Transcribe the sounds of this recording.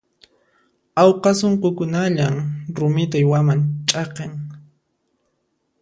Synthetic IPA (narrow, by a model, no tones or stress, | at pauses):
awqɑsoɴqokʊnaʎamɾʊmɪt̪ajwamant͡ʃʼɑqeŋ